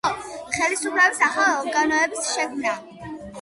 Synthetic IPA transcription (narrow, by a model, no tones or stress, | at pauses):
χɛlisupʰlɛbisaχlaɔɾɡanɔɛbisʃɛkʰmna